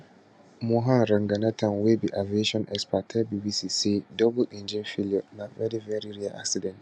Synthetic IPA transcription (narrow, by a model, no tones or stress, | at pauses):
mũɦãnɾɐ̃ŋɡanatʰãnwebiʔavieʃɔ̃nʔɛ̰kspatʰɛbibisiːsedɔbʊʔɪ̃nd͡ʒɛ̃nfiliɔnavɛɾivɛɾiɾialʔa̰ksidɛ̃nt